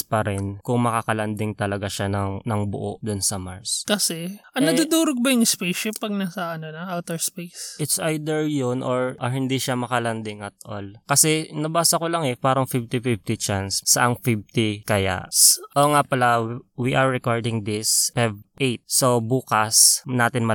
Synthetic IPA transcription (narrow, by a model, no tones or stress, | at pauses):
spɐɾɛnkʊŋmɐkakɐlɐnd̪ɪŋt̪ɐlɐɡaʃanɐŋnɐŋbʊ̰ʔo̰ʔd̪ʊnsɐma̰ɹskɐsɛʔɐnnɐd̪ud̪uːɾoɡ̚bɐjʊŋspejʃɪpɐɡ̚nasɐɐnonɐʔawt̪ɛɹspejssʔɪt̪sʔajd̪ɛɹjonʔoɹɐɹhɪnd̪iʃamɐkɐlɐnd̪ɪŋɐt̪̚ʔo̰lkɐsɛnɐbaːsɐkolɐŋɛpaːɾɐŋfɪft̪ɪfɪft̪ɪt͡ʃansːɐʔaŋfɪft̪ɪkɐja̰ʔsʔoŋapɐlawiʔɐɹːɛkoɹd̪ɪŋd̪ɪspɛvʔejt̪̚sobuːkɐsnaːt̪ɪnmɐ